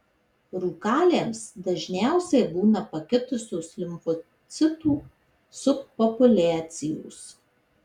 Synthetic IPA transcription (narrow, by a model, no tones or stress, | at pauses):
ɾuːkɑːlʲeːmsd̪ɐʒʲnʲæˑʊsʲɛɪbuːnɐpɐkʲɪt̪ʊsʲoːslʲɪmfɔ | t̪sʲɪt̪uː | sʊpːɔpʊlʲæːt̪sʲɪjo̰ːs